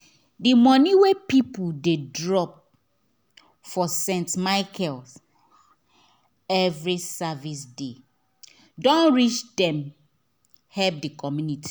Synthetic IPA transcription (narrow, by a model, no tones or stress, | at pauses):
dimɔ̃niwepipuldedɹɔp̚ | fɔsɛ̃ntmaɪkʰɛls | ɛvɹisavis̬de | dɔ̃nɹit͡ʃdɛ̃m | hɛp̚dikʰɔmjunitʰi̥